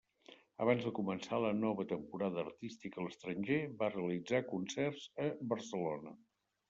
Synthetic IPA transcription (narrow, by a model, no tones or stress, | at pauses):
əβ̞anzðəkumənsalənɔβət̪əmpuɾaðəːrt̪ist̪ikələst̪ɾənʲʒeβareəlid͡zakunsɛrzəβərsəlonə